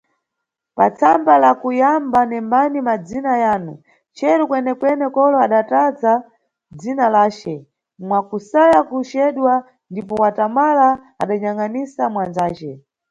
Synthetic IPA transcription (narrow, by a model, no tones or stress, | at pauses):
pa̰t͡sʰambalakujambanɛmbanimad͡zinajaːnu | t͡ʃɛɾukwɛnɛkwɛnɛkɔlɔaɗataza | d͡zinalaːt͡ʃɛ | mwakusajakut͡ʃɛɗwa | ndipɔwatamala | a̰ɗaɲaŋanisamwand͡zaːt͡ʃɛ̰